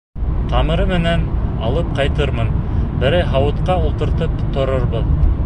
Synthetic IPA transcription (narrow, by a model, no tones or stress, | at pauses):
t̪ʰɑmɤ̆ɾɤmɘ̆nænɑlˠɤp̚qɑjt̪ɤɾmɤnbɘ̆ɾæjɦɑwɤ̆t̪qɑulˠt̪ɤ̆ɾt̪ɤpt̪ŏɾɤɾbɤð